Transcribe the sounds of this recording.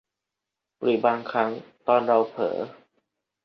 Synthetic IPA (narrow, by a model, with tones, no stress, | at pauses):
ɾɯː˩˦baː˧ŋkʰa˦˥ŋt̪ɔː˧nɾa˧wpʰɤ̰ː˩˦